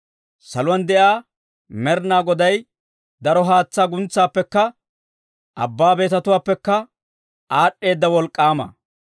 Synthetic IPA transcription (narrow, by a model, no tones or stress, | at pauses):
sɐlʊwɐnd̪ɛʔaː | mɛɾnaːɡɔd̪ɐj | d̪ɐɾɔɦaːt͡sːaːɡʊnt͡sːaːpːɛkːɐ | ʔɐ̰bːaːbe̞ːt̪ɐt̪ʊwaːpːɛkːɐ | ʔaːɗːe̞ːd̪ːɐwɔlkʼːaːmɐ̰